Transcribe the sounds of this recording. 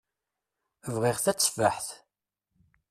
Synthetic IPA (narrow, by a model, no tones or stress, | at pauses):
vʁiʁθæt͡sːvaħθ